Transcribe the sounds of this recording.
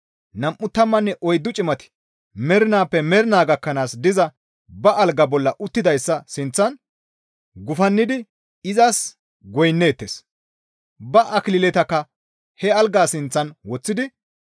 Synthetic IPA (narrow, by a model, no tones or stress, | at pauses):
nɐmʔːʊt̪ːɐmːɐnːɛʔɔjd̪ːʊt͡ʃʼɪmɐt̪ɪ̥ | mɛɾɪnaːpːɛmɛɾɪnaːɡɐkːɐnaːsd̪ɪzɐ | bɐɐlɡɐbɔlːɐʔʊt̪ːɪd̪ɐjsːɐsɪnt͡sːɐn | ɡʊfɐnːɪd̪ɪ | ɪzas | ɡɔjnːe̞ːt̪ːḛːs | bɐʔɐklɪlɛt̪ɐkːɐ | hɛɐlɡaːsɪnt͡sːɐnwɔt͡sːɪd̪ɪ